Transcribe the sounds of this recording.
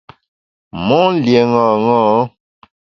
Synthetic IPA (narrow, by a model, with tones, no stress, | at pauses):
mɔ̃˦lje˨ŋɔ̃˨ŋɔ̃˦